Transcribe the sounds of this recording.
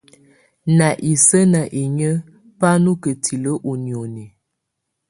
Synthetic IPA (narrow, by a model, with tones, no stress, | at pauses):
na˨ʔi˨sə˦na˨ʔe˨ɲə˦ | pa˦nu˦kə˨tʰi˨lə˦ʔu˨njo˨nɛ˨